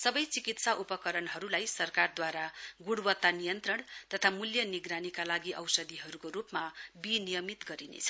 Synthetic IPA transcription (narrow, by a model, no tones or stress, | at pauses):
sʌbʌjt͡sikit̪saʔupʌkʌɾʌnɦʌɾulajsʌrkard̪waɾaɡuɽwʌt̪ːanijʌnt̪rʌɳt̪ʌt̪ʰamuljʌniɡɾanikalaɡiʔʌ̰wsʌd̪iɦʌɾukoɾupmabinijʌmit̪ɡʌɾinḛt͡sʰʌ̥